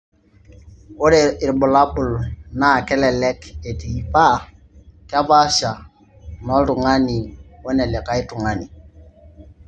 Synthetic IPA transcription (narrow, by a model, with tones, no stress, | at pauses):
o˦de˨i˨ɾɓu˨la˦ɓu˨lna˦˨kɛ˦lɛ˨lɛ˦ke˨ti˨pa˦˨ | ka˦ba˦ʃa˨ | nɔ˦ltu˨ŋa˦ni˨wo˦nɛ˨lɛ˨ka˦jtu˨ŋa˦ni˨